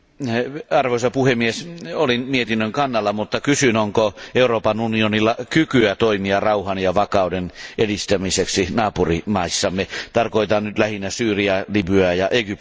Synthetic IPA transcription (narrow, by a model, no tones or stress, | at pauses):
ɑrʋoisɑpuhemːiesolinmiet̪inːøŋkɑnːɑlːɑmut̪ːɑkysynoŋkoeuroːpɑnunionilːɑkykyæt̪oimiɑrɑuhɑnjɑʋɑkɑˑudenʔedist̪æmiseksinɑːpurimɑisːɑmːet̪ɑrkoit̪ɑnnyt̪læhinːæsyːriælibyæjɑʔeɡyp